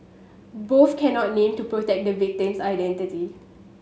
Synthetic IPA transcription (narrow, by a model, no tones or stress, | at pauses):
boθkʰɛ̃nɔt̚nẽmtupɹotɛk̚dəvik̚tĩmsajdɛ̃ntiti